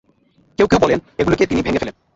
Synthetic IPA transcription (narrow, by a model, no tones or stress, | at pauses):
kewkewbɔleneɡuloket̪inibʱeŋefelen